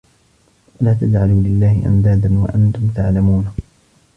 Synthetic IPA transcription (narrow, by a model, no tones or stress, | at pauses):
walaːt̪ad͡ʒʕaluːlɪlːaːhɪʔa̰nd̪aːd̪anwa̰ʔant̪ʊmt̪aʕlamuːn